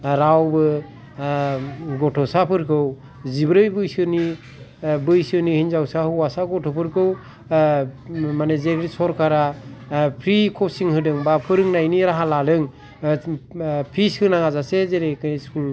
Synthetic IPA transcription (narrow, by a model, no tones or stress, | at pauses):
ɾawbɯ | ɡɔtʰɔsapʰɯɾkʰɯw | zibɾɯjbɯjsɯni | bɯjsɯnihiɲzawsahɯwasaɡɔtʰɔpʰɯɾkʰɯw | manezekɾisɔɾkʰaɾa | pʰɾikʰɔsiŋhɯdɯŋbapʰɯɾɯŋnajniɾaɦalalɯŋ | pʰiskʰɯnaŋazasezeɾekɯsuŋ